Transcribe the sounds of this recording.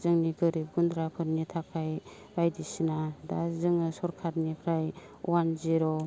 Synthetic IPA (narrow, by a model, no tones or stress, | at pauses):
zɯŋniɡɯɾip̚ɡundɾapʰɯɾnitʰakʰaj | ɾajdisinadazɯŋɯsɔɾkʰaɾnipʰɾaj | wanziɾɔ